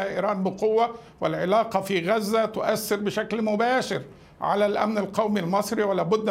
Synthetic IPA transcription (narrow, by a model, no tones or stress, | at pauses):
ʔiːɾɑːnbɪqʊwːa | wɪlʕɪlɑːqɑfiːɣæzːæt̪ʊʔæsːɪɾbɪʃæklmʊbæːʃɪɾ | ʕa̰lælʔæ̰mnalqɑwmilmɑsˤɾiwɪlæːbʊd̪ː